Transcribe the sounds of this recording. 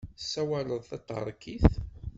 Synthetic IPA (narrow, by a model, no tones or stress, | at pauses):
sːæwæləðˤθæt̪ˤːə̰ɾˤkːiθ